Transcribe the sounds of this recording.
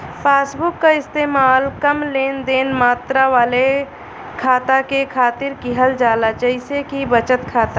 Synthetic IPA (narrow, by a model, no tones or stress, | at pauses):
pʰaːsbʊkːaɪst̪eːmaːlkəmleːnd̪eːnmaːt̪ɾaʋaːle | kʰaːt̪akekʰaːt̪ɪɾkiɦəld͡ʒaːlat͡ʃəɪsekibət͡ʃət̪kʰaːt̪a